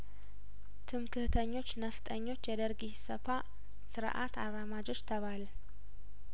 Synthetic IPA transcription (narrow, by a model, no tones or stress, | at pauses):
t̪ʰɨmkʰɨht̪ʰəɲːo̞t͡ʃːnəft̪ʼəɲːo̞t͡ʃːjɛd̪əɾɡihsəfa | sɨɾʔa̰t̪ʰarːamad͡ʒo̞t͡ʃːt̪ʰəβalə